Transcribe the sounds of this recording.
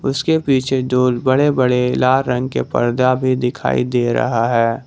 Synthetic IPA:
ʊskepiːt͡ʃʰeɖoːlbɐɽebɐɽelaːɾːɐ̃ŋɡ̚kepɐ̰ɾd̪abʱid̪ɪkʰa̰ːḭd̪eːɾɐ̰ɦaɦɛː

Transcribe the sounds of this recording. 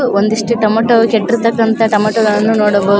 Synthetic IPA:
ond̪iʂʈuʈɐmɐʈːɐʋkeʈːɾut̪ɐkːɐnt̪ɐʈɐmɐʈːɐɡɐɭɐnːunoːɽɐbo

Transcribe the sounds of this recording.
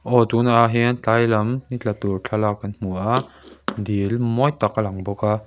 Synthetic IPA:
ʔɔt̪unaɦɛnt͡ɬajlɐmnit͡ɬat̪urt͡ɬʰalakɐnm̥uʔa | d̪ilmɔjt̪akalɐŋbɔka

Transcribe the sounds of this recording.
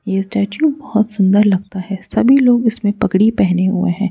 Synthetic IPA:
jesʈɛːt͡ʃubɐhɔt̪sʊ̃nd̪əɾlɐɡ̚t̪aɦɛsɐbʱiloːɡɪsmẽpɐkɽipɛɦneɦʊḛɦɛ̃ː

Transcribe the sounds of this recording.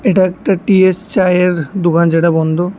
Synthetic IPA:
eʈaɛkʈaʈiest͡ɕajeɾd̪okʰand͡ʑeʈabɔnd̪ʱo

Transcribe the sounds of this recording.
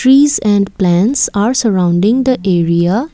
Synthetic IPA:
ɾiːzɛ̃ɳɖplæ̃nʈsaːɾsəɾãʊ̃ɳɖɪ̃ŋd̪əʔeːɾia

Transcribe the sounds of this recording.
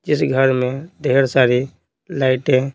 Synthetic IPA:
d͡ʒɪsɡʱəɾmẽd̪ʱeɾsaɾi | laɪʈɦɛ̃

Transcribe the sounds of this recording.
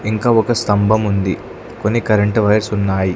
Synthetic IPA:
iŋkaːɔkɐst̪ɐmbʱɐmund̪i | ko̞nːikɐɾɐɳʈʋɐjɐɾsunːaːji

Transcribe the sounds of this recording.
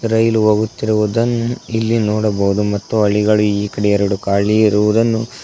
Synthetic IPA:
ɾɐjluɦoːɡut̪ːiɾuʋud̪ɐnːuilːinoːɽɐbɐɦud̪umɐt̪ːuɐɭiɡɐɭuiːkɐɽɛjɐɾuɽukaːɭiiɾuʋud̪ɐnːu

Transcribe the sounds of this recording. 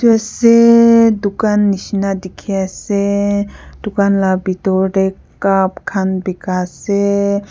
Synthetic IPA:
t̪esed̪ukanːiʃnad̪ikʰiase | d̪ukanlabit̪oɾe | apkʰanbikase

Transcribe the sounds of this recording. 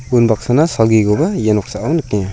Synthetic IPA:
unbak̚sanasalɡiɡɔbajenɔk̚saʔawnɯk̚nia

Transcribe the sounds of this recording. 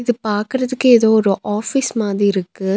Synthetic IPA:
ɪðɯpaːɾkɯɾɐðɯkːɯeːðoːɔɾɯʔaːfismaːðɾiɪɾɯkːɯ

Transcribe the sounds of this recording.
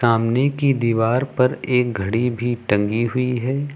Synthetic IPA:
aːmnekid̪iːʋaːɾpɐɾeːk̚ɡʱɐɽibʱiʈɐ̃ŋɡiɦʊiɦɛː

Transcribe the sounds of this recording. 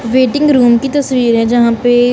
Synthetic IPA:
ʋeːʈɪ̃ŋɡɾuːmkit̪ɐsʋiːɾɦɛ̃d͡ʒɐɦãpe

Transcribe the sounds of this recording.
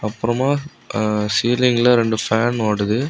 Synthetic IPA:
ɐpːɯɾɐmaː | siːlɪŋɡlɐɾɛɳɖɯfaːnoːɽɯðɯ

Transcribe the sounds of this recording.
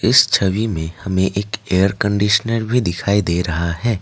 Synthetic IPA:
ɪst͡ʃʰəʋimẽhɐmẽʔeːkeːəɾkə̃ɳɖiːʃənəɾbʱid̪ɪkʰaːid̪eːɾɐɦaɦɛː

